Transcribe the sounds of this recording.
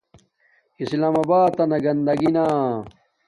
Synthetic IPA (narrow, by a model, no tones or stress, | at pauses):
islaːmɐbaːt̪ːɐnɐɡɐnd̪ɐɡinaː